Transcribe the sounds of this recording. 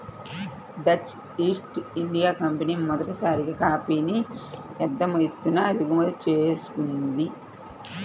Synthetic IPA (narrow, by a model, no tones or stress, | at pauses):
d̪ɐt͡ʃ | iːsʈiɳɖijaːkɐmpɐniːmɔd̪ɐʈisaːɾiɡɐkaːpiːnijɛd̪ːɐmɐjt̪ːunaɐd̪iɡumɐlt͡ʃeːsu̥kund̪i